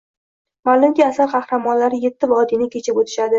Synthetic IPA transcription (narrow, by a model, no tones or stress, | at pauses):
malʊmkʲaasaɾqʰɑhɾamɒnlaɾɪjet̪ʰːɪvɒːd̪inɪkʲʰe̞t͡ʃʰɪpot̪ʰɪ̥ʃad̪ɪ